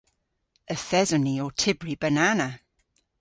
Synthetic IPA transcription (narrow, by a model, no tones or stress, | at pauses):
əθɛzɔniotʰɪbɹibənanaə